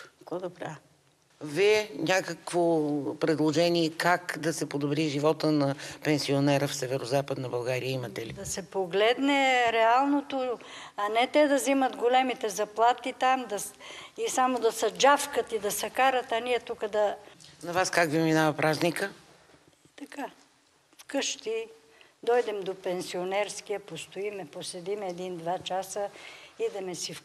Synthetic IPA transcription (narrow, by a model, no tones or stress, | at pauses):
kod̪obɾa | viɛnʲakəkvopɾɛd̪lˠoʒɛniɛkakd̪ɐsɛpod̪obɾiʒivɔt̪ənɐpɛnsionɛɾəfsɛvɛɾozapəd̪nɐbɐlˠɡaɾiəimət̪ɛlid̪ɐsɛpoɡlɛd̪nɛɾɛalˠnot̪oɐnɛt̪ɛd̪ɐziməd̪ɡolɛmit̪ɛzɐplˠat̪it̪amd̪ɐisamod̪ɐsɐd͡ʒafkət̪id̪ɐsɐkaɾɐt̪ɐniɛt̪ukəd̪ɐnɐvaskakviminavɐpɾaznikə | ɛt̪ɐka | fkɤʃt̪i | d̪ɔjd̪ɛmd̪opɛnsionɛɾskijɐpost̪oimɛposɛd̪imɛd̪ind̪vat͡ʃasəid̪ɛmɛsif